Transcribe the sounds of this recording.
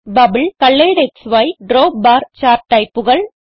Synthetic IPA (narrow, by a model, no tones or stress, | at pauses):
bɐbɪlkɐɭːɐɪɽɛksʋɐɪɖɾoːbaːɾt͡ʃaːɾʈːɐɪpːɯɣɐɭ